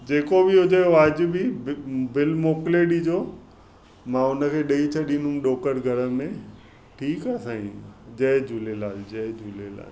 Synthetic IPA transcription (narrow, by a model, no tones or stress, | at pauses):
d͡ʑeːkobɪɦʊd͡ʑejoəd͡ʑ̆bɪbɪlmoːkleɗid͡ʑoː | mãʊnə̆kʰeːɗɐit͡ɕʰɐɗĩnʊ̃mɗoːkəɾɡʱɐɾəmẽ | ʈʰiːkaːsãːĩd͡ʑɐɦd͡ʑʱʊlelãːd͡ʑɐɦd͡ʑʱulela̰ː